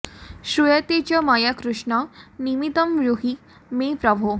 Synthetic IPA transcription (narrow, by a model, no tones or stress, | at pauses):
ʃujɐt̪et͡ɕɔmajakɾuʃɳɔnimit̪əmɾuɦik | mepɾɔbʱu